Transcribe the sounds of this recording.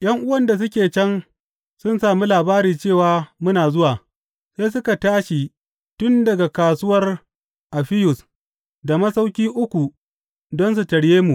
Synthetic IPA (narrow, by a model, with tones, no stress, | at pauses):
j̰ɐ˦ŋʔʊ˦wɐ˦˨nda˨s̬ʊ˦kʲeː˨t͡ʃɛ˦n | sʊ˦nsaː˨mi˦laː˨baː˦ɾiː˨t͡ʃeː˦˨waː˨mʊ˦naː˨zʊ˦waː˨ | se˦s̬ʊ˦ka˨taː˦ʃi˨ | tʊ˦ndɐ˨ɡa˨kaː˨sʊ˦wɐ˦r | ʔa˨ɸɪ˦jʊ˨s | da˨mɐ˦sa˦wkʲiː˦ʔʊ˦kʷu˨ | dɔ˦ns̬u˨tɐ˨ɽjeː˦mu˨